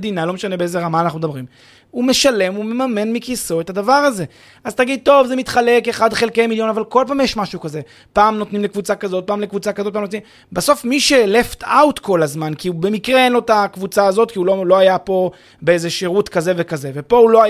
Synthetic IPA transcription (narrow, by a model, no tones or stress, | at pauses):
d̪inalo̞meʃanebeezeʁamaːnaχnud̪abʁim | ume̞ʃale̞mume̞mame̞nmikiso̞et̪ad̪avaʁaze̞ | azt̪aɡid̪̚t̪o̞vzemit̪χale̞keχad̪χe̞lkejmiljo̞navalko̞lpaːmjeʃmaʃuukaze̞ | paːmno̞t̪nimlekvut͡sakazo̞t̪̚paːmlekvut͡sakazotpamnot̪nim | baso̞fmiʃeːle̞ftawt̪ko̞lazmankiube̞mikʁeenlo̞t̪akvut͡saːzo̞t̪kiulolo̞ajapo̞ | beezeʃeʁut̪kaze̞ve̞kaze̞vepo̞ulo̞a